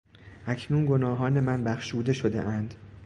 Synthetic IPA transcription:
ʔæcʰnuːnɡo̞nɒːɦɒːne̞mænbæxʃuːd̪e̞ʃod̪e̞̰ʔænd̪

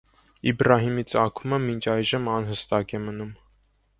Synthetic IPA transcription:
ibrɑɦimit͡sɑkʰuməmint͡ʃʰɑjʒəmɑnɦəst̪ɑkɛmənum

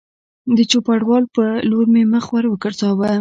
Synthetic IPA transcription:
d̪ət͡ʃopaɽwɑlpəloɾmeməxwaɾwəkəɽt͡sɑwa

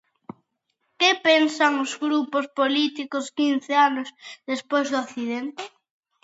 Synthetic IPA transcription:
kepensaŋozɣɾupospolit̪ikoskin̟θeanozðespojzðoaθið̞ent̪ɪ

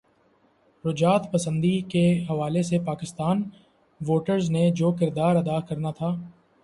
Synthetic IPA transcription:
ɾʊd͡ʒaːt̪pɐsə̃nd̪ikeɦɐʋaːlesepaːkɪst̪aːn | ʋoːʈəɾzned͡ʒoːkɪɾd̪aːɾɐd̪akɐɾnat̪ʰaː

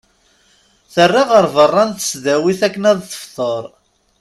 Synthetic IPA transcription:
θərːiʁəɾˤvərˤːɑnθə̥sðæwiθækːənæðθə̥fθəɾˤ

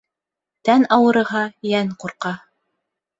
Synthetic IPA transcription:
t̪ænɑwɤ̆ɾɤ̆ɦɑjæŋquɾqɑ

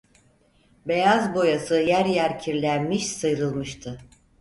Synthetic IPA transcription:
be̞jazbo̞jasɯjæɾjæɾcʰiɾlʲænmiʃsɯjɾɯlˠmɯʃt̪ʰɯ

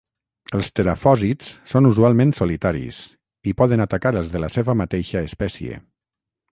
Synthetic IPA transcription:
əlˠst̪əɾafɔzit͡ssonuzualˠmẽnsolit̪aɾḭs | ipɔðənat̪akaɾəlˠzðələseβəmat̪eʃəːspɛsiḛ

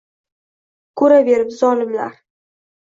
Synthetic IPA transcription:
kʰɵɾabe̞ɾɪpzɒlɪmla̰ɾ

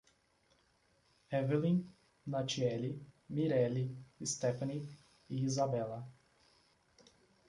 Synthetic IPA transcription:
ɛvelĩ | nat͡ʃiɛlimiɾɛliɪst̪ɛfɐni | iizabɛlɐ

